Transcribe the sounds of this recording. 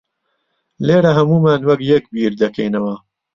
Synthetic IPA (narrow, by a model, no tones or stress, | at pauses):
leːɾɐɦɐmuːmaːnwɐkjɐk̚biːɾd̪ɐkɐ̰jnɐwɐ